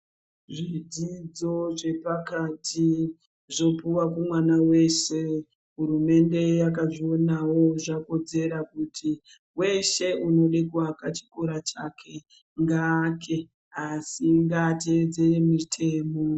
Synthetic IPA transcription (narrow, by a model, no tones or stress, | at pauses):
ʐid͡zid͡zo̞ʐe̞pakati | ʐo̞puwakumwanawe̞ʃe̞ | ɦurume̞nde̞jakaʐio̞nawo̞ʐako̞d͡ze̞ɾakutʰi | we̞ʃe̞uno̞ɗekuakat͡ʃi̥ko̞ɾat͡ʃakʰe̞ | ŋɡaːkʰe̞ | asiŋɡated͡zeemitʰe̞ːmo̞